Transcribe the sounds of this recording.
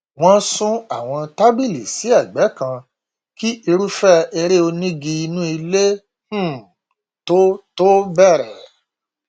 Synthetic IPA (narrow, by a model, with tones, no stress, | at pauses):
w̃ɔ̃˦sũ˦a˨w̃ɔ̃˧ta˦ɡ͡bi˦˨li˨si˨˦a˦˨ɡ͡bɛ˨˦kã˧ | ki˦ʔi˧ɾu˦fɛ˦e˧ɾe˦o˧nĩ˦ɡi˧i˧nũ˦i˧le˦ | h̩˦˨ | to˦to˦bɛ˦˨ɾɛ˨